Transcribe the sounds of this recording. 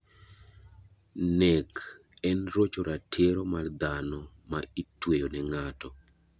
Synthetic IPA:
nɛk | ɛnrot͡ʃoɾatʰeɾɔmard̪anɔ | maitwejonɛŋatɔ

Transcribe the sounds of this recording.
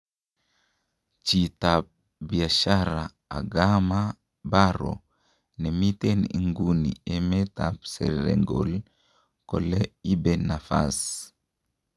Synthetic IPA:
t͡ʃit̪ap̚ | biaʃaɾa | a̰ɡama | baɾo̰ | nɛmit̪ɛnḭŋɡunḭemɛtap̚sɛ̰ɾɾɛ̰ŋɡo̰l | kɔlɛibɛnafa̰s

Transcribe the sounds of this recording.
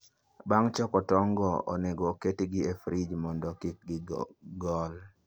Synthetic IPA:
baŋt͡ʃɔkɔtɔŋɡɔo̰neɡɔketiɡɪefɾid͡ʒmɔndɔkik̚ɡɪɡɔl

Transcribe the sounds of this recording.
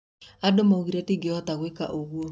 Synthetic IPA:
adomouɣiɾatiɡeɔtaɣweka̰ʔoɣwo

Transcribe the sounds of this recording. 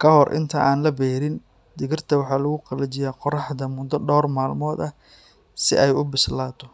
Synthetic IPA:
kʰɐhɔrʔɪ̰nt̪ʰɐʔaːnlɐbɛːɾɪn | d̪ɪɣɪrt̪ʰɐwɑħɑːlɐɣʊqɑlɐt͡ʃɪjaːqɔrɑħd̪ɐmʊd̪ːɐɖɔːrmaːlmɔːd̪ɐ | sɪ̰ʔɛjʊbɪslaːt̪ʰɔ

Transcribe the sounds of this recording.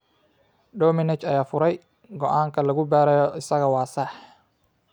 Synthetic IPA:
ɖɔːmɪnɛt͡ʃɐjaːfʊɾɛj | ɡɔʔaːŋkʰɐlɐɣʊbaːɾɛjɔɪsɐɣɐwɑːsɐħ

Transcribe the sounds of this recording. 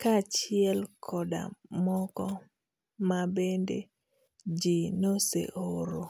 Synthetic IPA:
kat͡ʃɪɛlkʰɔda̰mɔkɔ | mabendḛ | d͡ʒinosḛʔoɾo

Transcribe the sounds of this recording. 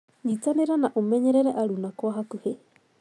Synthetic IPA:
ɲit͡saneɾanaʔumeɲeɾeɾeʔaɾunakoaɦakuhe

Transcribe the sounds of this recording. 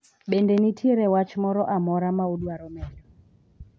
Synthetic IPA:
ɓɛndɛnitʰiɾɛwat͡ʃmɔɾɔʔamɔɾamauɗuaɾɔmɛdɔ

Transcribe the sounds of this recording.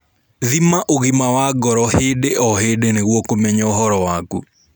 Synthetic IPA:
ðimaʔoɣimawaɡɔɾɔhɪdeʔɔɦedeneɣwokomɛɲɔɔɦɔɾɔwaɡṵ

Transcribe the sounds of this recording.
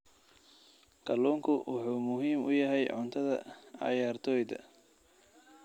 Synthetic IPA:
kʰɐlɔːŋkʰʊwʔɑħuːmʊɦiːmʊ̰jɐɦɛjʕʊ̰nt̪ʰɐðɐ̰ʕɑ̰jaːrt̪ʰɔːjd̪ɐ̰

